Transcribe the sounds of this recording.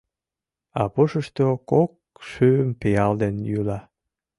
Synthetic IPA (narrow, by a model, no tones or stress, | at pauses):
ɑpoʃəʃt̪okok̚ʃøːmpeɑld̪enjylɑ